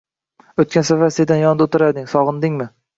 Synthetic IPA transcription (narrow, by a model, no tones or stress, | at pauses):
ɵt̪̚kʲansafasɪd̪anjɒnd̪aot̪ʰɪɾad̪ɪŋsɒʁɨnd̪ɪŋmɪ